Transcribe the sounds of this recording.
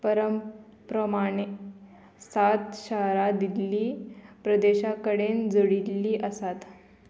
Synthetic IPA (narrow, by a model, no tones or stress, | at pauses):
pəɾəm | pɾəmaɳe | sat̪ɕəɦɾad̪ilːiːpɾəd̪eɕakəɽend͡zəɽilːiːʔəsat̪